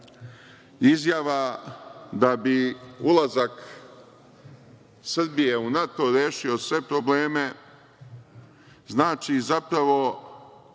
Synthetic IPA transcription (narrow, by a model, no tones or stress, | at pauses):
izjaʋa | d̪abiulˠazak | sr̩bije̞unat̪o̞ɾjeːʃio̞sʋe̞pɾobleːme̞ | znaːt͡ʃizapɾaʋo̞